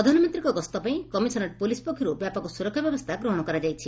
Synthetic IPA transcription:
ɔd̪ʱanɔmint̪ɾikɔɡɔst̪ɔpaĩkɔmisɔnɔʈ̚polispɔkʰːiɾubjapɔkɔsuɾɔkʰːjɔbjɔbɔst̪ʰaɡɾɔɦɔɽ̃ɔkɔɾad͡ʒajt͡ʃʰi

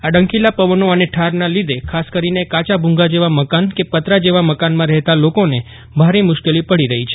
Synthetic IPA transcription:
aɖə̃ŋkilapəʋənoəneʈʰaɾnalid̪ekʰaskəɾinekat͡ʃabʱũŋɡad͡ʒeʋaməkankepət̪ɾad͡ʒeʋaməkanmãɾɛɦt̪alokone | bʱaɾemʊʃkelipəɽiɾəɦit͡ʃʰe̥

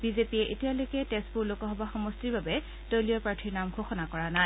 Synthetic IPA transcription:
b̥izepiɛʔetialojkɛtɛspuɹlokɔɦɔbaxɔmɔstiɹbabɛ | d̥ojliɔpɹaɹtʰiɹnamɡʱoxɔnakɔɹanaj

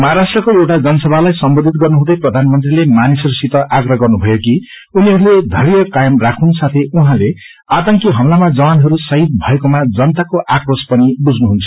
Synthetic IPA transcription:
mʌɦaɾasʈrʌkoewʈad͡zʌnʌsʌbʱalajsʌmbod̪ʱit̪̚ɡʌrnuɦũd̪ʌjprʌd̪ʱanmʌnt̪rilemanisʌɾusit̪ʌʔaɡrʌɡʌrnubʱʌjoki | uniɦʌɾuled̪ʱʌɾijʌkajʌmrakʰunsat̪ʰeuɦãle | at̪ʌŋkiɦʌmlamad͡zʌwanɦʌɾusʌɦit̪̚bʱʌekomad͡zʌnʌt̪akoʔakrospʌnibud͡znuɦunt͡sʰʌ̥

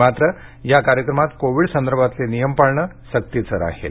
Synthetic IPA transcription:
mat̪ɾə | jakaɾjəkɾəmat̪koʋiɽsənd̪əɾbʱat̪lenijəmpaɭɳə | sək̚t̪it͡səɾa̰ɦḛl

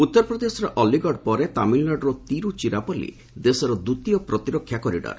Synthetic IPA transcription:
ut̪ːɔɾpɾɔd̪esɔɾeʔɔliɡɔɖpɔɾet̪amillaɖɾɔt̪iɾut͡ʃiɾapɔlḭ | d̪esɔɾɔd̪ut̪ijɔpɾɔt̪iɾɔkʰːjakɔɾḭɖɔ̰ɾ

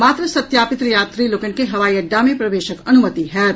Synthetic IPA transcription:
maːt̪ɾəsɐt̪jaːpɪt̪ɾjaːt̪ɾilokənkeɦɐʋaːiɐɖːamẽpɾɐʋeːʃəkɐnʊmət̪iɦɛː

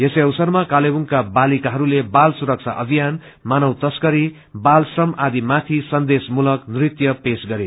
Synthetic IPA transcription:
jeseʌwsʌrmakalebuŋkabalikaɦʌɾulebalsuɾʌk̚t͡sʰa̰ʔʌbʱijan | manʌwt̪ʌskʌɾi | balsrʌmad̪imat̪ʰisʌnd̪esmulʌknrit̪jʌpesɡʌɾe

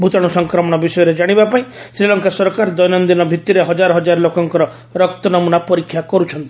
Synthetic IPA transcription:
bʱut̪ɔɽ̃usɔŋkɾɔmɔɽ̃ɔbisɔjɔɾed͡ʒaɽ̃ibapaĩsɾilɔŋkasɔɾkaɾd̪ɔjnɔnd̪inɔbʱit̪ːiɾeɦɔd͡ʒaɾɔɦɔd͡ʒaɾlokɔŋkɔɾɔ | ɾɔkt̪ɔnɔmunapɔɾikʰːjakɔɾut͡ʃʰɔnt̪i̥

